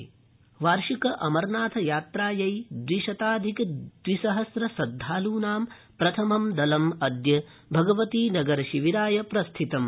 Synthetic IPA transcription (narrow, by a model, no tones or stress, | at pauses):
ʋaːɾʃikɐʔɐmɐɾnaːt̪ʰɐjaːt̪ɾaːjɐjd̪ʋiʃɐt̪aːd̪ʱikd̪̥ʋisɐɦɐsɾɐsɐd̪ʱːaːluːnaːm | pɾɐt̪ʰɐmɐmd̪ɐlɐmɐd̪jɐ | bʱɐɡɐʋɐt̪iːnɐɡɐɾɐʃiʋiɾaːjɐpɾɐst̪ʰit̪ɐm